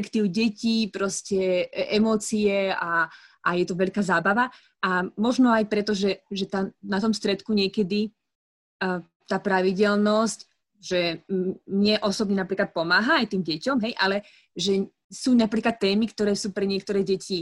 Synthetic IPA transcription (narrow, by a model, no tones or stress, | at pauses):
ɛkt̪iːʊɟɛciːpɾɔscɛɛmɔːt͡siɛaʔajɛt̪ɔʋɛʎkaːzaːbaʋa | amɔʒnɔajpɾɛt̪ɔʒɛʒɛt̪anat̪ɔmst̪ɾɛt̪kuɲɪɛkɛd̪i | t̪aːpɾaʋiɟɛlnɔsc | ʒɛmɲɛʔɔsɔbɲɛnapɾiːklat̪̚pɔmaːɦaajt̪iːmɟɛcɔmɦɛjʔalɛ | ʒɛ | suːnapɾiːklat̪ːɛːmikt̪ɔɾɛːsuːpɾɛɲɪɛk̚t̪ɔɾɛːɟɛci